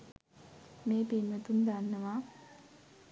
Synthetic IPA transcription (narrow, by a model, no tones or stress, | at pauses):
meːpinmət̪und̪anːəʋa